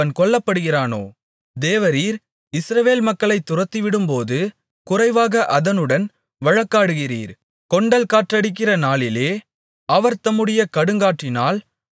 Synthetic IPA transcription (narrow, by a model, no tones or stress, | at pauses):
ɐnkɔɭːɐpːɐɽɯɣɪraːno̰ː | d̪eːʋɐɾiːɾ | ɪsɾɐʋeːlmɐkːɐɭɐɪt̪ːʊrɐt̪ːiʋɪɽɯmpoːðɯ | kʊrɐɪʋaːɣɐʔɐðɐnɯɽɐn | ʋɐɻɐkːaːɽɯɣɪrḭːɾ | kɔɳɖɐlkaːʈrɐɽɪk̬ːɪrɐnaːɭɪleː | ɐʋɐɾt̪ɐmɯɽɪjɐkɐɽɯŋɡaːʈrɪnaːl